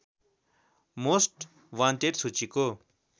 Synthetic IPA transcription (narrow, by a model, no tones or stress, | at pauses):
mosʈ | wãnteʈsut͡ʃiko